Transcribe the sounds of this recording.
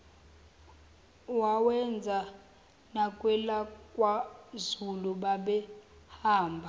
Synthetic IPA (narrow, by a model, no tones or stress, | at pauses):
wawɛnd͡zʱa | nakʼwɛlakʼwazuluɓaɓɛ | haːmbʱa